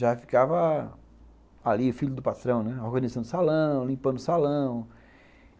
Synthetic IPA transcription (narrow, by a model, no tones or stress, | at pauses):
ʒafi̥kavɐ | aliʊfiʎʊd̪ʊpat̪ɾɐ̃w̃nɛohɡɐ̃nizɐ̃nd̪ʊsalɐ̃w̃lĩmpɐ̃nd̪ʊsalɐ̃w̃